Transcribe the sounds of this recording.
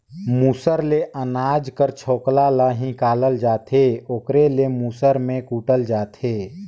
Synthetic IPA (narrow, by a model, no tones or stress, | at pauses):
muːsəɾleʔənaːd͡ʒkəɾt͡ʃʰoːklalaːɦĩkaːləld͡ʒaːt̪ʰeːoːkɾelemuːsəɾmẽkuːʈəld͡ʒaːt̪ʰeː